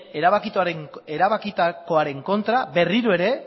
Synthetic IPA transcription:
eɾaβakit̪uaɾeŋe̞ɾaβakit̪akoaɾe̞ŋko̞nt̪ɾabe̞riɾoe̞ɾe̞

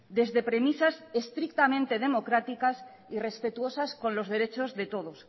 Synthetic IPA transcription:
d̪e̞zðe̞pɾemisasest̪ɾik̚t̪amẽnt̪e̞ð̞e̞mo̞kɾat̪ikas | ire̞spe̞t̪uo̞sasko̞nlo̞zðe̞ɾe̞t͡ʃo̞zðe̞t̪o̞ðos

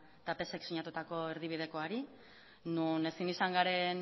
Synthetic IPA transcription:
t̪ape̞se̞ksiɲat̪ut̪ako̞e̞ɾðiβ̞ið̞e̞ko̞aɾi | nune̞sinisaŋɡaɾe̞n

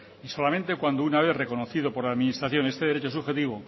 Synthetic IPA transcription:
iso̞lamẽnt̪e̞kwand̪ounaβ̞eθre̞ko̞noθiðo̞po̞ɾlaðminisɾaθjo̞ne̞st̪e̞ðeɾe̞t͡ʃosuxe̞t̪iβo

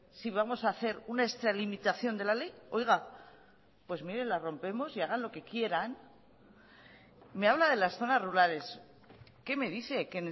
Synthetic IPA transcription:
siβ̞amo̞saːθe̞ɾunaekst̪ɾalimit̪aθjo̞nd̪e̞lale̞jo̞jɣa | pwe̞zmiɾe̞nlaro̞mpe̞mo̞siaɣ̞anlo̞ke̞kje̞ɾan | me̞aβ̞laðe̞lasθo̞nazruɾale̞s | ke̞me̞ðiθe̞ken

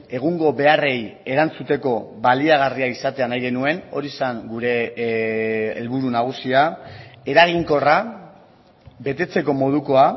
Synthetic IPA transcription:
e̞ɣ̞uŋɡo̞βe̞are̞je̞ɾant͡sut̪e̞ko̞βaliaɣ̞ariaisat̪e̞anajɣe̞nue̞no̞ɾisaŋɡuɾe̞ | lβuɾunaɣ̞usiae̞ɾaɣ̞iŋko̞ra | be̞t̪e̞t͡se̞ko̞mo̞ð̞uko̞a

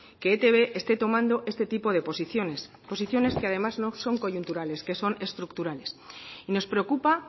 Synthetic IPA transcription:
keet̪e̞βe̞ʔest̪e̞t̪o̞mãnd̪o̞ʔe̞st̪e̞t̪ipo̞ð̞e̞po̞siθjones | po̞siθjo̞ne̞ske̞að̞e̞mazno̞so̞ŋko̞ʝunt̪uɾale̞ske̞so̞ne̞st̪ɾukt̪uɾale̞sino̞spɾe̞o̞kupa

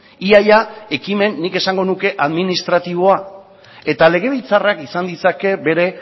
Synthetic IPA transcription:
iajae̞kime̞nːike̞saŋɡo̞nuke̞ʔaðminist̪ɾat̪iβ̞o̞a | e̞t̪ale̞ɣ̞e̞β̞ilt͡sarakisand̪it͡sake̞be̞ɾe̞

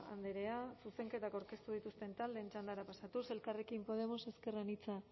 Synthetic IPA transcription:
a̰nd̪eɾe̞asuse̞ŋke̞t̪akawɾke̞st̪uð̞it̪ust̪e̞nt̪ald̪eːnt͡ʃand̪aɾapasat̪use̞lkare̞kimpo̞ð̞e̞mo̞se̞ske̞ranit͡sa

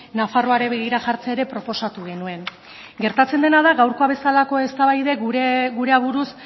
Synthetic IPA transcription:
nafaro̞aɾe̞βe̞ɣ̞iɾaʝaɾt͡seeɾe̞pɾo̞po̞sat̪uɣ̞e̞nue̞n | ɡe̞ɾt̪at͡se̞nd̪e̞nað̞aɣawɾko̞aβe̞salako̞e̞st̪aβajðe̞ɡuɾe̞aβuɾus

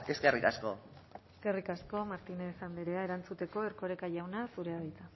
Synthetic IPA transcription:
eskerikasko̞eske̞rikasko̞maɾt̪inesand̪eɾe̞aeɾant͡sut̪e̞ko̞eɾko̞ɾekaʝawnasuɾe̞aɣajt̪a

